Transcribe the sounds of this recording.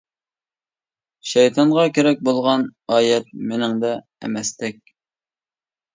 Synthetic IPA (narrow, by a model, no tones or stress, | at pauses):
ʃɛjt̪ʰɑɴʁɑkʲeɾɛk̚ʲbolˠʁɑnɑːjɛt̪̚menɪŋd̪ɛ | ɛ̰mɛst̪ɛk̚ʲ